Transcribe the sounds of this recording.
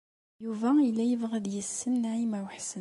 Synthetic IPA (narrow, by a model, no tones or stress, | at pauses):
juvæilːæjəvʁəd̪jəsːənːʕimæwħsə